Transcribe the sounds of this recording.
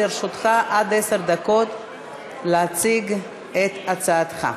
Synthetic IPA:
iʁʃot̪χaʔad̪eseʁd̪ako̞t̪ | leat͡siɡ | et̪at͡saːt̪χa̰

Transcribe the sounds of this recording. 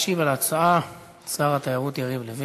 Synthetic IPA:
ʃivalat͡saa | t͡saʁat̪ajaʁut̪jaʁivlevi

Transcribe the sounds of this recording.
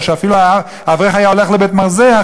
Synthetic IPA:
ʃeafilua | aːvʁeχajaole̞χlebet̪maʁzea

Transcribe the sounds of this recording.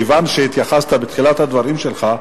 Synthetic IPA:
vanʃet̪jaχast̪abet̪χilat̪had̪vaʁimʃelχa

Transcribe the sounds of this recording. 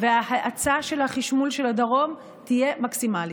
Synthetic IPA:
veahaʔat͡saʃe̞lhaχiʃmulʃelad̪aʁo̞m | tije̞maksimali

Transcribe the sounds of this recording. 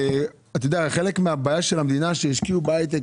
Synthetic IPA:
at̪ajod̪eaχe̞lekmeabaːjaʃelamd̪inaʃejiʃkiubajt̪̬e

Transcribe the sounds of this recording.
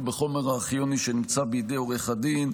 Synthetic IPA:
beχo̞meʁaːχjoniʃenimt͡sabejid̪ejoʁeχad̪in

